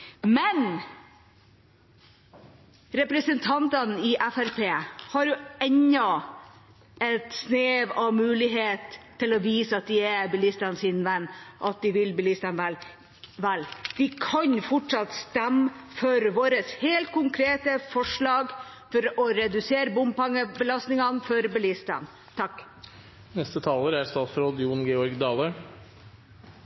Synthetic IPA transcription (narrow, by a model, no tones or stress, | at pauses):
mɛn | ɾɛpɾəsənt̪ʰɑnt̪ənɪʔæfæɾpʰeːhɑɾjʊɛɲːɑ | ɛt̪sneːʋɑʋmʉːlɪɦeːt̪ʰː | ɪlɔʋiːsəɑt̪̚d̪ɪæbəlist̪ɑnsɪnʋɛnːʔɑt̪̚d̪ɪʋɪlbəliːsd̪ɛmʋɛl | ʋæld̪̥ɪkʰɑnfɔʈʂɑt̪st̪æmːfɔɾʋoːɾəsheːlt̪̚kʰʊŋkʰɾeːt̪əfɔʂɭɑːɡ | fɔɾɔɾɛd̪ʉseːɾəbʊmpɑŋːəbəlɑst̪nɪŋɑnfɔɾbəlɪst̪ɑ̰n | t̪ʰɑkː | nɛst̪ət̪ʰɑːləɾæɾst̪ɑːt̪fɾɔd̪ɪuːnɡeːɔɾɡd̪ɑːlə